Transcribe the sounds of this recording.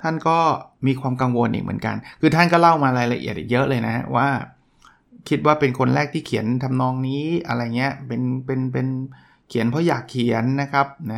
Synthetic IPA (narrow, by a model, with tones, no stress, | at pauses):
t̪ʰa˥˩nkɔː˥˩miː˧kʰwaː˧mka˧ŋwo˧nʔḭ˨˩mɯ̰˩˦nka̰˧nkʰɯː˧t̪ʰa˥˩nkɔː˥˩la˥˩wmaː˧ɾaː˧jla˧ʔḭ˨˩ət̪ʔi˨˩jɤ˦˥ʔlɤː˧jna˦˥ha˦˥wa̰ː˥˩ | kʰi˦˥t̪̚waː˥˩pe˧nkʰo˧nɾɛː˥˩k̚t̪ʰiː˥˩kʰi˨˩˦ənt̪ʰa˧mnɔː˧ŋniː˦˥ʔa̰˧ɾa˧ja˨˩ŋi˦˥ɐpe˧npe˧npe˧n | kʰi˨˩˦ənpʰɔ˦˥jaː˨˩kʰːi˨˩˦ənːa˦˥kʰa˦˥p̚na˦˥